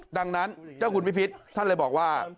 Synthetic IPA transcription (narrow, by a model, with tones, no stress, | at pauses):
da˧ŋna˦˥nt͡ɕaː˥˩wkʰu˧npi˦˩pʰi˦˥t̪̚ʰːa˥˩nlaː˧jbɔː˨˩k̚waː˥˩